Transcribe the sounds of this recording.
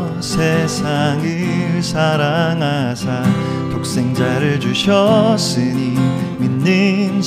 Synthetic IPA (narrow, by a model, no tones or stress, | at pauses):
sʰesʰaŋɯ | sʰaɾaŋɦasʰa | t̪ok̚s͈e̞ŋd͡ʑaɾɯɭd͡ʑuɕʰʌs͈ɯɲi | minːɯn